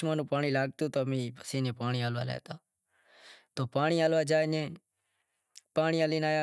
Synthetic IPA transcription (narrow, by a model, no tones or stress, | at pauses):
maːnũːpaːɳiːlaːɡt̪oːt̪oːmĩːpəseːnẽːpaːɳiːaːlʋa̰ːlɛ̰ːt̪aː | t̪oːpaːɳiːaːlʋaːd͡ʒaːnẽː | paːɳiːaːliːnaːjaː